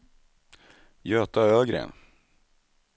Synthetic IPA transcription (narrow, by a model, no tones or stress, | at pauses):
jøːt̪aøːɡɾḛɛ̰n